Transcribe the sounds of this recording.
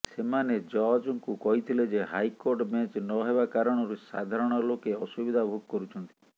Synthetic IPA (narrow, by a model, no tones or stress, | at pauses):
semaned͡ʒɔd͡ʒɔŋkukɔɦit̪ʰiled͡ʒeɦajkoɾʈmat͡ʃnɔɦeβakaɾɔɽ̃ɔɾusa̰d̪ʱaɾɔɽ̃ɔlokeɔsubid̪ʱabʱuɡ̚kɔɾut͡ʃʰɔnt̪i̥